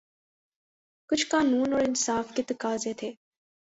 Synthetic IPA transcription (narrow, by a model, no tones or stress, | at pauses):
kʊt͡ʃʰkaːnuːnoɭɪnsaːfkɪt̪kaːzeːt̪ʰeː